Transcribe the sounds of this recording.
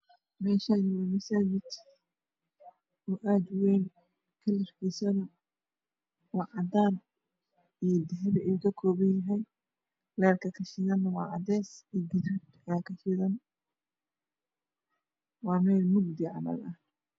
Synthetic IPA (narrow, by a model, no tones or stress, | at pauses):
mɛːʃanɪwɐmɐsaːd͡ʒɪt͡ʃ | ɔːʔaːd̪wɛjn | kʰɐlɐfkisɐnɐ | wɑʕɑd̪aːn | ijd̪ɛɦɛβɛjukʰɐkʰɔːβɐnjɐɦɛj | lɛːlkʰɐkʰɐʃɪðɐnːɐwɑːʕɑd̪ɛːsiːɡɪd̪ud̪kɐkʰɐʃɪðɐn | wɑːmɛːlmʊɡ̚d̪ɪʕɑlɐ̰ðɐh